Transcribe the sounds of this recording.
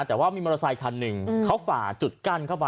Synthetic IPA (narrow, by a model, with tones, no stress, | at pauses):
t̪ɛː˨˩waː˥˩miː˧mɔ˧ɾa˧saː˧jkʰa˧nːɯ˨˩ŋkʰa˦˥wfaː˨˩t͡ɕu˨˩t̪̚ka˧˩˨nkʰa˥˩wpa˧